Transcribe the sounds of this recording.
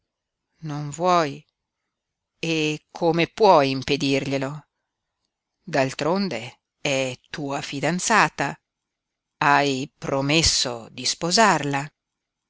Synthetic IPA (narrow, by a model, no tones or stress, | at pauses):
noɱvwɔj | ekʰomepwɔjimped̪irʎelo | d̪alt̪ɾond̪e | ɛt̪uːafid̪ant̪saːt̪a | ajpɾomesːo̰d̪ispozarla